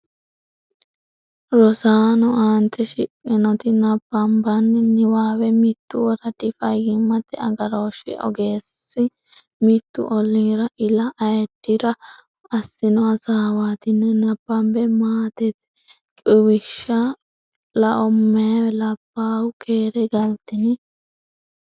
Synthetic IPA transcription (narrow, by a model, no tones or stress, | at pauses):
ɾɔsaːnɔʔaːnt̪ʰɛʃɪkʼːɪnɔt̪ɪnɐbːɐmbɐnnɪwaːwɛmɪt̪ːʊwɔɾɐd̪ɪfɐjɪmːɐt̪ːɛɐ̰ɡɐɾoːʃɪ̰ʔɔ̰ɡeːsːɪ | mɪt̪ːʊ̰ʔɔlːiɾɐʔɪlɐʔɐjɛd̪ːɪɾɐ | ɐsːɪnɔɐsaːwaːt̪ɪnːɛnɐbːɐmbɛmaːt̪ɛt̪ | kʼɪwɪʃːɐ | lɐʔɔmːɛɐlɐbːaːwʊkʰeːɾɛɡɐlt̪ːɪnɪ